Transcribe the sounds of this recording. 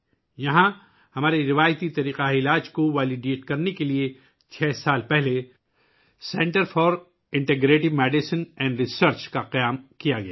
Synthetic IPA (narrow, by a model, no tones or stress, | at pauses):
jɐɦã | hɐmaːɾeɾɪʋaːjt̪it̪ɐɾiːqaɪlaːd͡ʒkoʋɛːlɪɖieːʈkɐɾnekelie | t͡ʃʰɛːsaːlpɛɦle | sɛ̃ɳʈəɾfɔːɾ | ɪ̃ɳʈeɡɾeːʈɪʋmɛːɖɪsɪnɛ̃ːɳɖɾɪsəɾt͡ʃkaqɐjaːmkijaɡɐja̰ː